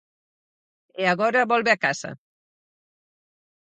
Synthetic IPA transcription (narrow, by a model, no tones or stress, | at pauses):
eaɣɔɾaβɔlβeakasa̰